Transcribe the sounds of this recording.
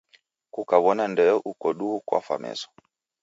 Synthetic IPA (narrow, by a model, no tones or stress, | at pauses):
kukaβɔnandɛɔʔukɔɗuukwa̰fa̰mɛ̰sɔ̥